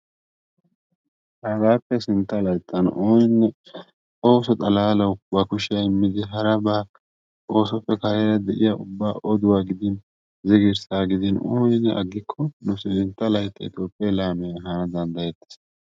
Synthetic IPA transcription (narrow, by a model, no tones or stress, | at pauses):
hɐɾaːpːɛsɪnt̪ːɐlɐjt̪ʼːɐnoːjɪnːɛ | o̞ːsɔt̪ʼɐlaːlɐwbɐkʊʃɐjɪmːɪd̪ɪɦɐɾɐbaː | o̞ːsɔpːɛkɐɾɛɾɐd̪ɛʔɪjɐʊbːaːʔɔd̪ʊwaːɡɪd̪ɪn | zɪɡɪɾsaːɡɪd̪ɪnoːjɪnːɛ̰ʔɐ̰ɡːɪkʰːɔnʊsɪɪnt̪ːɐlɐjt̪ʼːɐɪt̪jo̞ːpʼːɪɐjlaːmɛjɐɦɐnɐd̪ɐnd̪ɐjɛt̪ːɪ̥s